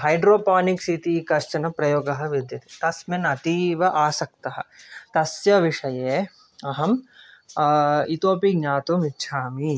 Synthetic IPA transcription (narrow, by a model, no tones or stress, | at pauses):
ɦɐjɖɾoːpaːniksit̪ikɐʃt͡ʃɐnɐpɾɐjoːɡɐɦɐ̆ʋɪd̪jɐt̪i̥t̪ɐsmenɐt̪iːʋɐʔaːsɐk̚t̪ɐɦɐ̰̆t̪ɐsjɐʋiʂɐjeː | ɐɦɐm | it̪oːpiɡɲaːt̪umitːʃʰaːmi